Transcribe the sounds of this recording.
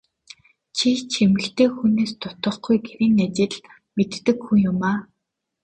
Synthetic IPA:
t͡ɕʰit͡ɕʰemɘ̆ɬt̪eːxuneːst̪ʰʊ̥t̪ə̆χɡujɡeɾiːnat͡ɕɪ̆ɮ | met̪ːɘ̆kxujʊmaː

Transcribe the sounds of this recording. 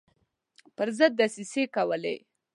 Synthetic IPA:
pəɾzəd̪̚ːasisekawəlḛ

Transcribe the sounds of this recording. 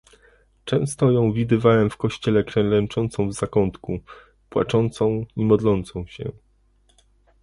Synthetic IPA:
t͡ʂɛ̃w̃st̪ɔjɔ̃w̃vʲid̪ɘvawɛmfkɔɕt͡ɕɛlɛkɾɛ̃nlɛnt͡ʂɔnt̪sɔ̃w̃vzakɔnt̪ku | pwa̰t͡ʂɔnt̪sɔ̃w̃imɔd̪lɔnt̪sɔ̃w̃ɕɛ̰

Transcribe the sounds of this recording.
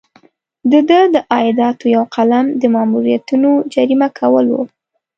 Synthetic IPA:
d̪əd̪əd̪əʔɑjɪd̪ɑt̪ojawqalamd̪əmɑmuɾijat̪unod͡ʒaɾimakʰawəlwo̰

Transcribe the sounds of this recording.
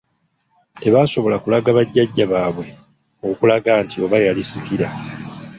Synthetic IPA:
e̞βaːso̞βo̞lakulaɡaβaɟːaɟːaβaːβwe̞ | okulaɡaːntio̞βajalisikiɾa

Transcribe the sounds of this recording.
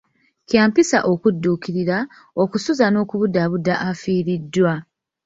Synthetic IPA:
cjaːmpisa̰ʔo̞kudːuːkiɾiɾa | o̞kusuzano̞ːkuβudaβudːaʔafiːɾidːwa

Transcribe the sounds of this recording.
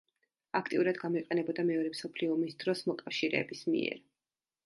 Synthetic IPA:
akʰt̪ʼiuɾad̪ɡamɔiqʼɛnɛbɔd̪amɛɔɾɛmsɔpʰliɔmisd̪ɾɔsmɔkʼafʃiɾɛ̰ːbismḭɛ̰ɾ

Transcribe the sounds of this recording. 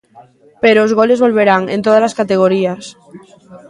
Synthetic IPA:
peɾoːzɣolezβo̞lβ̞eɾaŋḛ̃nt̪oðalaskat̪eɣ̞oɾias

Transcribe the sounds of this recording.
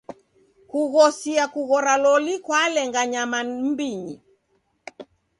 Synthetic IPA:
kuɣɔsiakuɣɔɾalɔlikwalɛŋɡaɲamam̩biɲi

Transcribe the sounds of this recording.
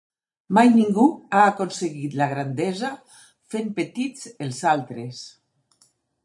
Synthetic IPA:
majniŋɡuaːkonseɣit̪laɣ̞ɾand̪eza | fempet̪it͡selˠzalˠt̪ɾes

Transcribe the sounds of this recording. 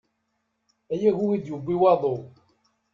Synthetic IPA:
æjæʝuid̪jubːiwɑðˤo

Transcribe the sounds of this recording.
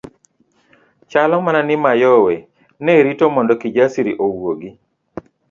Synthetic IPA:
t͡ʃalɔmananɪmajɔwɛ | nɛɾitomɔndɔkid͡ʒasiɾiʔowoɡi

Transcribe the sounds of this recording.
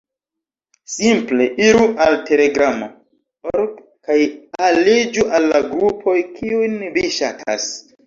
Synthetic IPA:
simple̞ʔiɾuʔalte̞le̞ɡɾamo | oɾd | kajalid͡ʒuʔalːaɡɾupʰo̞jkiujnviʃatʰa̰s

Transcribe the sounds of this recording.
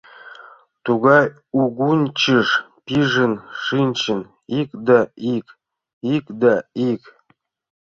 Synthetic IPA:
t̪uɣɑj | uɡunʲt͡ɕiʂ | pʲiʐənʂɨnʲt͡ɕɘ̆n | ikd̪ɑik | ikd̪ɑik

